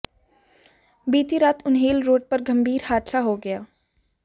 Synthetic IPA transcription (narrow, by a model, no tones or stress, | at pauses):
biːt̪iɾaːt̪ʰʊnɦeːlɾoːɖ̚pɐɾɡɐmbʱiːɾhaːd̪ʃaɦoɡɐjaː